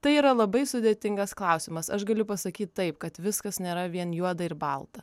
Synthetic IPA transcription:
t̪ɐɪiːɾɐlˠɐbɐɪsʊd̪ʲeːtʲɪŋɡɐsklˠɐʊsʲɪmɐsɐʃɡɐlʲʊpɐsɐkʲiːt̪̚ʲt̪ɐɪpkɐt̪ʋʲɪskɐsnʲeːɾɐʋʲiɛnjuɔd̪ɐɪɾbɐlˠt̪ɐ

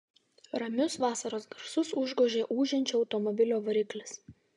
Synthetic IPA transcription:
ɾɐmʲʊsʋɑːsɐɾoːsɡɐɾsʊsʊʒɡoːʒʲeːʔuːʒʲɛnʲt͡ʃʲoɒʊt̪ɔmɔbʲɪlʲoːʋɐɾʲɪklʲɪs

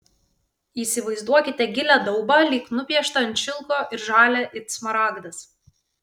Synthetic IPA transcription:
iːsʲɪʋɐɪzd̪uɔkʲɪt̪ʲɛɡʲɪlʲæd̪ɒʊbɑlʲiːknʊpʲɛʃt̪ɐnt̪ʃʲɪlˠkoːʔɪɾʒɑːlʲɛʔɪt̪smɐɾɑːɡd̪ɐs

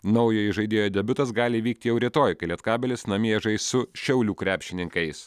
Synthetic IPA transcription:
nɐʊjoːɪʒɐɪd̪ʲeːjoːd̪ʲɛbʲʊt̪ɐsɡɑːlʲɪiːʋʲiːk̚t̪ʲɪjɛʊɾʲit̪oːjkɐlʲiɛt̪kɑːbʲɛlʲɪsnɐmʲiɛʒɐɪssʊʃʲɛʊlʲuːkɾʲæːpʲʃʲɪnʲɪŋkɐɪs

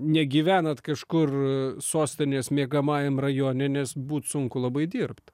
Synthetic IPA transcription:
nʲɛɡʲiːʋʲæːnɐt̪kɐʃkʊrsoːsʲt̪ʲɪnʲeːsmʲeɛɡɐmɑːjɛmrɐjoːnʲɛnʲɛsbuːt̪sʊŋkʊlˠɐbɐɪd̪ʲiːrpt̪

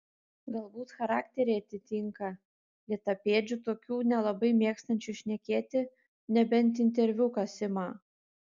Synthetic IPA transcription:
ɡɐlˠbuːt̪xɐɾɑːkt̪ʲɛɾʲɛɪɐt̪ʲɪt̪ʲɪŋkɐ | lʲiɛt̪ɐpʲeːd͡ʒʲut̪oːkʲuːnʲɛlˠɐbɐɪmʲeːkst̪ɐnʲt͡ʃʲʊʃʲnʲɛkʲeːt̪ʲɪ | nʲɛbʲɛnʲt̪ɪnʲt̪ʲɛɾʲʋʲʊkɐsʲɪmɑː

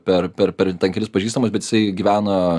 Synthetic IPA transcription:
pʲɛrpʲɛɾpʲɛɾt̪ɛnkʲɛlʲɪspɐʒʲiːst̪ɐmʊsbʲɛt̪jɪsɐɪɡʲiʋʲæːnɐ

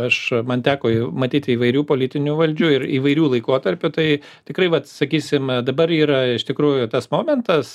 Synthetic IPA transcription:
ɐʃmɐnt̪ʲæːkomɐt̪ʲiːt̪ʲɪiːʋɐɪɾʲuːpoːlʲɪt̪ʲɪnʲʊʋɐlʲd͡ʒʲʊɪriːʋɐɪɾʲuːlˠɐɪkoːt̪ɐɾʲpʲʊt̪ɐɪ | t̪ʲɪkɾɐɪʋɐt̪sɐkʲiːsʲɪmd̪ɐbɐɾiːɾɐɪʃt̪ʲɪkɾuːjʊt̪ɐsmoːmʲɛnt̪ɐs

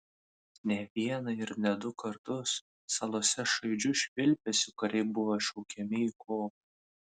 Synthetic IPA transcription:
nʲɛʋʲiɛnɐɪɾnʲɛd̪ʊkɐɾt̪ʊsː | ɑlˠoːsʲɛʃɐɪd͡ʒʲʊʃʲʋʲɪlʲpʲɛsʲʊkɐɾʲɛɪbʊʋɐʃɐʊkʲɛmʲɪiːkʰoːp̚ɐ

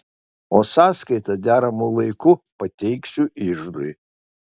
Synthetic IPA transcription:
oːsɑːskɐɪt̪ɐd̪ʲæːɾɐmulˠɐɪkʊpɐt̪ʲɛɪksʲʊʔɪʒd̪oj

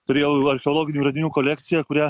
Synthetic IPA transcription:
t̪ʊɾʲeːjɛʊuɐɾʲxʲɛɔːlˠoːɡʲɪnʲuːʒɐd̪ʲɪnʲuːkolʲɛkʲt̪sʲɪjɛkʊɾʲæ

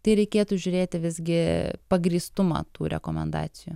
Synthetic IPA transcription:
t̪ɐɪɾʲɛɪkʲeːt̪uːʒʲʊɾʲeːt̪ʲɪʋʲɪzʲɡʲɪpɐɡɾʲiːst̪ʊmɐ̰ːt̪uːɾʲɛ̰koːmʲɛ̰nd̪ɑ̰ːt̪sʲɪjṵ

